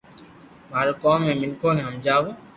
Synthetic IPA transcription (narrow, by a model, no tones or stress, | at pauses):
maːɾokoːmːẽːmɪnkʰõːnẽːɦəmd͡ʒaːʋoː